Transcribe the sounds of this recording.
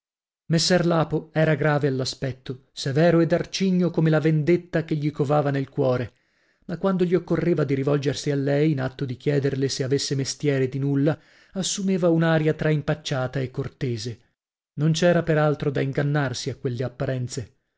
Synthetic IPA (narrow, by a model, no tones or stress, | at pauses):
mesːɛrlaːpoɛːɾaɡɾaːvealːaspɛt̪ːosevɛːɾoɛd̪art͡ʃiɲːokomelavend̪et̪ːakeʎːikovaːvanelkwɔːɾe | makːwand̪oʎiokːorːeːvad̪iɾivɔld͡ʒersialːɛjːnat̪ːod̪ik̟jɛːd̪erleseavesːemest̪jɛːɾed̪inulːa | asːumeːvaunaɾjat̪ɾaimpat͡ʃːaːt̪aekːort̪eːze | nont͡ʃɛːɾapeɾalt̪ɾod̪aiŋɡanːarsiakːwelːeapːaɾɛnt̪se